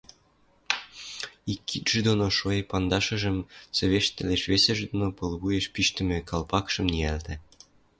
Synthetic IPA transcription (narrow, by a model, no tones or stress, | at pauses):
ikːit̪ʒ̥ed̪onoʃoepɑnd̪ɑʃə̆ʒə̆mt͡sĕβeʃt̪ĕleʃβesĕʒd̪onopɤlβujeʃpiʃt̪ə̆mĕkɑlpɑkʃə̆mniælt̪ĕ